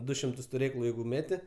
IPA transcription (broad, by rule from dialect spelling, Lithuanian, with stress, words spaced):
ˈdʊ ʃʲɪmˈtʊs tʊˈrʲeːklˠʊ ˈjɛɪɡʊ ˈmʲæːtʲɪ